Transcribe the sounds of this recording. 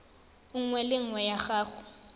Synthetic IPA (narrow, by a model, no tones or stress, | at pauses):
uŋ̩ŋwɛlɪŋ̩wɛjaxaːxʊ